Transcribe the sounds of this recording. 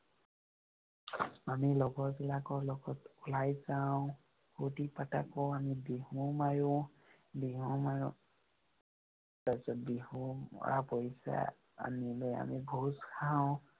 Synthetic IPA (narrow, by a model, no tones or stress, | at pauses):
amilɔɡɔɹbilakɔɹlɔɡɔtulajzawʊ̃ | hutipata̰kɔamibiɦumaju | biɦumajʊ | tasɔt̚bihumɔ̰ɹa̰pojsa̰ | a̰miloja̰mibʱuskʰaʊ̃